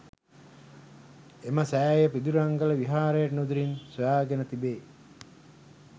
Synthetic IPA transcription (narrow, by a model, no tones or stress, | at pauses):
eməsæːjəpid̪uɾaŋɡələʋiɦaːɾəjəʈnud̪uɾinsojaːɡenət̪ibeː